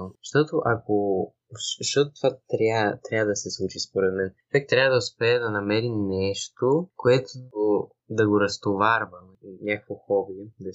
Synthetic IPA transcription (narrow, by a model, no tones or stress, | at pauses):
ʃt̪ɔt̪oʔɐko | ʃt̪ɔt̪ot̪ovat̪ɾʲat̪ɾʲavəd̪ɐsɛslˠut͡ʃispoɾɛt̪mɛnt͡ʃvɛk̚t̪ɾʲavəd̪ɐʊspɛɛd̪ɐnɐmɛɾinɛʃt̪okoɛt̪oo | d̪ɐɡoɾɐst̪ovaɾvə | inʲakə̥kvoxɔbid̪ɐ